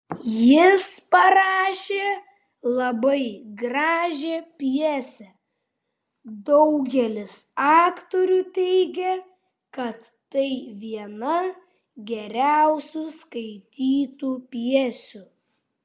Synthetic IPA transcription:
jɪspɐɾɑːʃʲeː | lˠɐbɐɪɡɾɑːʒʲepʲjiɛsʲɛ | d̪ɔʊɡʲɛlʲɪsɑːkt̪ɔɾʲuːt̪ʲɛɪɡʲɛ | kɐt̪ːɐɪʋʲiɛnɐ | ɡʲɛɾʲæˑʊsʲuskɐɪt̪ʲiːt̪uːpʲiɛsʲʊ

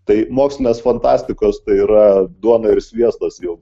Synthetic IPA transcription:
t̪ɐɪmoːksʲlʲɪnʲeːsfɐnt̪ɑːsʲt̪ʲɪkoːst̪ɐɪiːɾɐd̪uɔnɐɪɾsʲʋʲiɛst̪ɐsjɛʊ

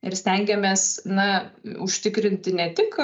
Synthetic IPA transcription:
ɪɾsʲt̪ʲɛŋʲɡʲɛmʲeːsnɐʊʃʲt̪ʲɪkɾʲɪnʲt̪ʲɪnʲɛt̪ʲɪk

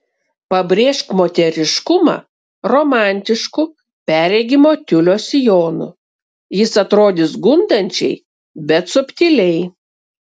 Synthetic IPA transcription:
pɐbʲɾʲeːʃkmoːt̪ʲɛɾʲɪʃkʊmɑ̰ | ɾoːmɑˑnʲt̪ʲɪʃkʊ | pʲæːɾʲɛɡʲɪmoːt̪ʲʊlʲoːsʲɪjoːnʊ̰ | jɪsɐt̪ɾoːd̪ʲɪsɡʊnd̪ɐnʲt͡ʃʲɛɪ | bʲɛt̪sʊpʲt̪ʲɪlʲɛɪ

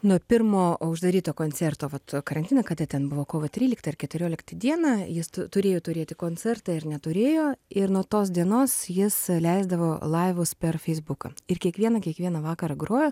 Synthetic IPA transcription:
nuɔpʲɪɾmoːʊʒd̪ɐɾʲiːt̪oːkoːnʲt͡s̪ʲɛrt̪oːʋɐt̪kɐɾɐnʲt̪ʲɪnɐkɐt̪ʲɐt̪ʲɛnbʊʋoːkoːʋɐt̪ʲɾʲiːlʲɪkt̪ɐɐrkʲɛt̪ʲʊɾʲoːlʲɪkt̪ɐd̪ʲiɛnɐjɪst̪ʊt̪ʊɾʲeːjoːt̪ʊɾʲeːt̪ʲɪkoːnʲt͡s̪ʲɛrt̪ɑɪɾnʲɛt̪ʊɾʲeːjoːɪɾnuɔt̪oːs̬d̪ʲiɛnoːsjɪslʲɛɪzd̪ɐʋoːlˠɐɪʋʊspʲɛrfʲɛɪzbʊkɐ̰ɪrkʲiɛkʋʲiɛnɐkʲiɛkʋʲiɛnɐʋɑːkɐɾɐɡɾoːjoː

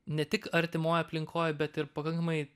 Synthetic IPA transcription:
nʲɛt̪ʲɪkɐɾʲt̪ʲɪmoːjɐpʲlʲɪŋkʰoːjbʲɛt̪ɪɾpɐkɐŋkɐmɐɪ

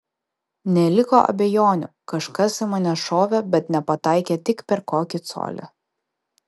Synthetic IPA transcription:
nʲɛlʲɪko̰ːʔɐ̰bʲɛjoːnʲʊ | kɐʃkɐsɪmɐnʲɛʃoːʋʲɛbʲɛt̪nʲɛpɐt̪ɑˑɪkʲeːt̪ʲɪkpʲɛɾkoːkʲɪt̪so̰ːlʲɛ̰

